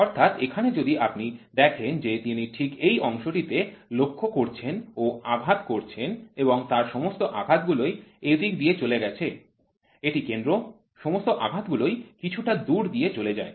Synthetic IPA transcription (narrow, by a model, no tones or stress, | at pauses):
ɔɾt̪ʰat̪ekʰaned͡ʑod̪iʔapnid̪ɛkʰend͡ʑet̪iniʈʰikejɔŋʃoʈit̪elokʰːokoɾt͡ɕʰenoaɡʱat̪koɾt͡ɕʰeneboŋt̪aɾʃɔmost̪oʔaɡʱat̪̚ɡulojed̪ikd̪ijet͡ɕoleɡɛt͡ɕʰe | eʈikend̪ɾo | ʃɔmost̪oʔaɡʱat̪ɡulojkit͡ɕʰuʈad̪uɾd̪ijet͡ɕoled͡ʑae